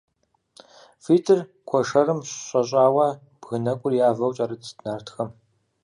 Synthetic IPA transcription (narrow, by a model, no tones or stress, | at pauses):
fiːtʰɨr | kʷʰɔʂɐɾɨmɕɕʼɐɕʼaːwɐ | b̥ɣɨnɐkʷʼʊrjaːvɐwt͡ʃʼɐɾɨtdnaːrtʰxɐm